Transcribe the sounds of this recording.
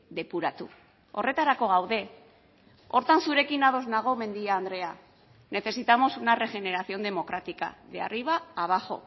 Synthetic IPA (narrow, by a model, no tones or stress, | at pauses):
ðe̞puɾat̪u | o̞̰re̞t̪aɾako̞ɣ̞awðe̞ | o̞ɾt̪ansuɾe̞kinaðo̞znaɣ̞o̞me̞nd̪iaːnd̪ɾe̞a | ne̞θe̞sit̪amo̞sunare̞ʝe̞ne̞ɾaθio̞nd̪e̞mo̞kɾat̪ika̰ðea̰riβ̞aːβ̞axo̞̰